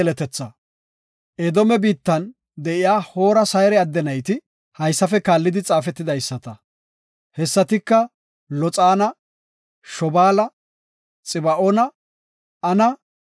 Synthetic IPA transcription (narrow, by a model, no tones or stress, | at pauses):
lɛt̪ɛt͡sːɐ | ʔed̪ɔmɛbiːt̪ːɐn | d̪ɛʔɪjaːho̞ːɾɐsɐjɾɛɐd̪ːɛnɐjt̪ɪ | hɐjsːɐfɛkaːlːɪd̪ɪt͡sʼaːfɛt̪ːɪd̪ɐjsːɐt̪ɐ | hɛsːɐt̪ɪkːɐ | lɔt͡sʼaːnɐ | ʃɔbaːlɐ | t͡sʼɪbɐʔɔnɐ | ɐnɐ